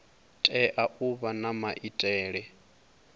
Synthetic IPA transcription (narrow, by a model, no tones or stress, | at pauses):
tʼɛʔaʔuβanamaʔitʼɛːɺɛ